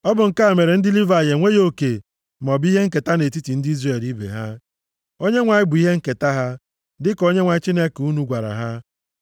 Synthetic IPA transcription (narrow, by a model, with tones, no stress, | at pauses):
ɔ˦bʊ˨ŋ̩˨ka˦a˨me˨ɾe˨n̩˦dɪ˦li˦va˨je˨ŋʷe˦jo˦ke˨ | mɔ˨bi˦ɦe˦ŋ̩˦ke˨ta˦ne˨ti˦ti˨n̩˦di˦i˦zre˨e˨li˦bḛ˨ɦa˦ | o˦ɲe˦ŋʷa˨ɪ˦bʊ˨i˦ɦe˦ŋ̩˦ke˨ta˦ɦa˦ | dɪ˦ko˦ɲe˦ŋʷa˨ɪ˦t͡ʃi˦ne˦ku˦nu˨ɡʷa˨ɾa̰˨ɦa˦